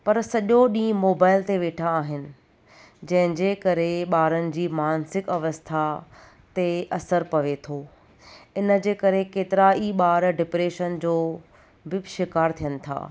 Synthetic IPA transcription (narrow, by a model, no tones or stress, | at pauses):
pɐɾsɐʄoɗĩːmoːbaːɪlt̪eʋeːʈʰaːɦɪnɪ̆ | d͡ʑɐ̃ɦɪ̃d͡ʑeːkɐɾeɓaːɾənɪ̆d͡ʑiːmaːnsɪkɐʋəst̪ʰa | t̪eʔɐsəɾpɐʋet̪ʰoː | ɪnə̆d͡ʑeːkɐɾekeːt̪ɪɾaːiɓaːɾɖɪpɾeːʃənd͡ʑoː | bɪʃɪkaːɾt̪ʰijənɪ̆t̪ʰa̰ː